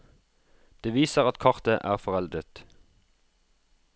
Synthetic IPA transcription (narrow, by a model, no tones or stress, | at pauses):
d̪̥eːʋiːsəʁɑt̪kʰɑʁt̪əʔæːʁfɔʁɛld̪ʁət̪